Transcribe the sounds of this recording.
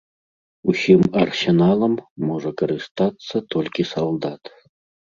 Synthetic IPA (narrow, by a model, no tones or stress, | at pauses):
usʲimɐrsʲenɑlˠəmːoʐəkəɾɨst̪at̪sːət̪olʲkʲisɐlˠd̪ɑt̪